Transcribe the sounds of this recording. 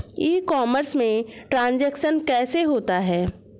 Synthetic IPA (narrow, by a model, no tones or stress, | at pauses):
iːkɔːməɾsmẽʈɾãːnd͡ʒɛːkʃənkɛːseɦoːt̪aɦɛː